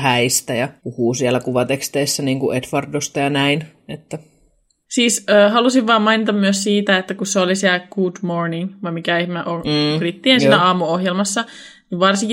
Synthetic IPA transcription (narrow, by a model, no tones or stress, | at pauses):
hæist̪æjɑpuhuːsiælːækuʋɑt̪ekst̪eːsːæniːŋkuʔet̪ʋɑrdost̪ɑjɑnæin | et̪ːæ | siːsøːɦɑlusiʋʋɑːmɑinit̪ɑmmyøssiːt̪æet̪ːækusseolisiælɡ̥uːdmorniŋʋɑimikæehmæʔonrit̪ːiensiːnæɑːmuohjelmɑsːɑniʋʋɑrsiŋk